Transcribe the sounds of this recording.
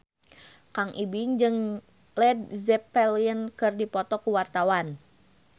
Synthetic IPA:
kaŋʔibɪŋd͡ʒɨŋ | lɛd̚zɛpɛliənkɨrdipɔt̪ɔkuwart̪awan

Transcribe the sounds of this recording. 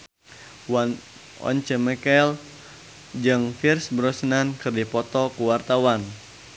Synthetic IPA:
ɔ̰ɲt͡ʃəmɛkɛl | d͡ʒɨŋfirsbəɾɔsənankɨrdipɔt̪ɔkuwart̪awan

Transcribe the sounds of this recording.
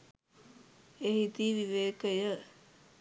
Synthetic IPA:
ehit̪iːʋiʋeːkəjə

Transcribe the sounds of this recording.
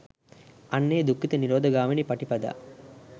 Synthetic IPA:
ɐnːeːd̪ukːit̪ɐniɾoːd̪ʱɐɡaːminipɐʈipɐd̪ɐ̰

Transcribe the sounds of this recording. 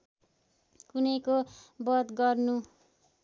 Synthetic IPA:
kunʌjkobʌd̪ɡʌrnu

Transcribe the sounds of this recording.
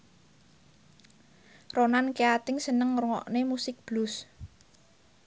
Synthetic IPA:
ronankeat̪ɪŋsənəŋɾŋɔ̰ʔnemusɪk̚b̥lʊs

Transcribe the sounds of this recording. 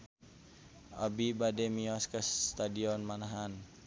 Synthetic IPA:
ʔa̰bibadɛmiɔskəsːt̪adiɔnmanaɦan

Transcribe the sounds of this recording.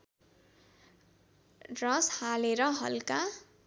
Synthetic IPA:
rʌshaleɾʌɦʌ̰lka

